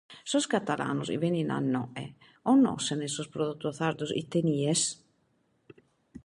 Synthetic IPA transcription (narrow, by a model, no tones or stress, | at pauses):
soskat̪ala̰nosḭβenina̰nːoḛ | ono̰senesospɾoðut̪ːoθaɾd̪osḭt̪enies